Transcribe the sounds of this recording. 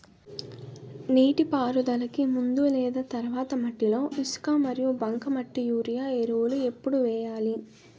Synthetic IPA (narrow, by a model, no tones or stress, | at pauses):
niːʈipaːɾud̪ɐlɐkimund̪ulɛːd̪ɐt̪ɐɾʋaːt̪ɐmɐʈːilo̞ːʔiskaːmɐɾijubɐŋkɐmɐʈːijuːɾijaːeɾoːlue̞pːuɽuʋɛːjaːli